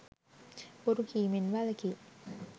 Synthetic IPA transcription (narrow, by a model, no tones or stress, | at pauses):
oɾukiːminʋɐlɐki